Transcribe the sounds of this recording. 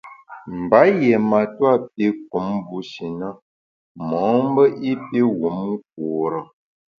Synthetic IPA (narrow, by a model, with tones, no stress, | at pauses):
m̩˨ba˨˦jɛ˨ma˨twa˦˨p̚e˦k̚u˨˦mbu˨˦ʃi˨nə˦ | mɔ˨˦m˦bə˦ʔi˦pe˦wu˨˦mu˦k̚o˨ɾə˨